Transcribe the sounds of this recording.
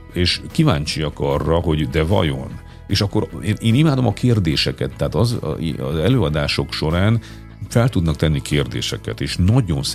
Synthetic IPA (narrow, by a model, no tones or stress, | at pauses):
eːʃkivaːɲt͡ʃijɒkɒrːɒɦo̞ɟd̪ɛvɒ̰jo̞n | eːʃɒkːo̞ɾeːneːnimaːd̪o̞mɒkʰeːrd̪eːʃɛkɛt̪ːɛɦːt̪ɒz̰ɒ̰zɛløːɒd̪aːʃo̞kʃo̞ɾaːn | fɛlt̪ud̪nɒk̚t̪ɛnːikʰeːrd̪ḛːʃɛkɛ̰t̪eːʃnɒɟo̞ns